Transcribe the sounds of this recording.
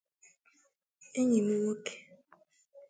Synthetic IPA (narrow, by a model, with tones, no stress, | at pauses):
e˦ɲi˨mu˦wo˦ke̥˨